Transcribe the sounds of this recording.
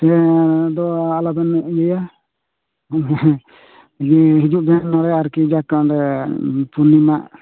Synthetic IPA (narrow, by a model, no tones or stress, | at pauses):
t̪ɛd̪ɔalabɛnɡɛja | ɡiɦid͡ʒuʔbɛnɔɽɛaɾkid͡ʒakaɾɛpunimaʔ